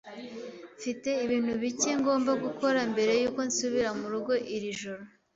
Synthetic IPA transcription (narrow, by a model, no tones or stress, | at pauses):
fite̞iβiːn̥huβiceŋɡo̞ːmbaɡukʰo̞ɾambe̞ɾe̞juːko̞nsuβiɾamuɾuɡo̞ʔiɾiʒoɾo̞